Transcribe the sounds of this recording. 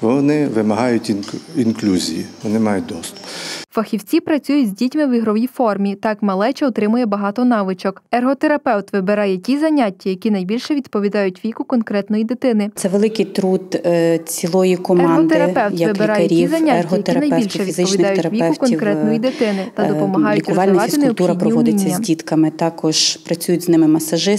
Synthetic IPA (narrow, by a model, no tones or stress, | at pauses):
ʋɔnɪʋɪmɐɦɑjʊtʲinklʲuzʲḭjḭʋɔnɪmɑjʊt̚ʲd̪ɔst̪ʊ̥pfɐxʲiwt͡sʲipɾɐt͡sʲujʊtʲzʲdʲitʲmɪʋɪɦɾɔʋʲifɔrmʲit̪ɑkmɐlˠɛt͡ʃɛɔt̪ɾɪmʊjɛbɐɦɑt̪ɔnɑʋɪt͡ʃɔkɛrɦɔt̪eɾɐpɛwt̪ʋɪbeɾɑjɛkʲizɐnʲatʲːɐjɐkʲinɐjbʲilʲʃɛʋʲid̪pɔʋʲid̪ɑjʊtʲʋʲikʊkɔnkɾɛt̪nɔjid̪ɪt̪ɪnɪt̪sɛʋelˠɪkɪjt̪ɾud̪t͡sʲilˠɔjikɔmɑnɔdt̪eɾɐpɛw̪jɐʋɪbɪɾɑjɐɛɾʲiizɐnʲaɦɔjɐiɐnɐjʲilʲʃɛʋʲiɪɔʋʲind̪ɑjʊɾɐʋʲiɛʊkɔnkɾɛtnɔjid̪ɪt̪ɪnɪt̪ɐɔpɔmɐɦɑjʊitkɑlʲnɐɑtsɪnk̪ɛʊt̪uɾɐpdpɾɔiʋɔnd̪ɪinʲt͡sʲːɐzʲɐdʲit̪kɐmɪt̪ɑkɔʒ̥pɾɐt͡sʲujʊtʲznɪmɪmɐsɐʒɪ